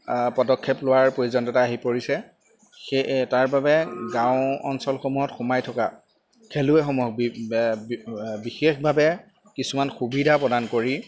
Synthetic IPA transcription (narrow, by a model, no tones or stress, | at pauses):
pɔdɔkʰːɛplʊwaɹpɹojuzɔntɔtaːɦipoɹisɛ | xetaɹbabɛɡãʊ̃ɔnsɔlxomuɦɔtxʊmajtʰɔka̰ | kʰelʊɛxomuɦɔk̚b | bixexbʱabɛ | kisumanxubidʱapɹɔdankoɹi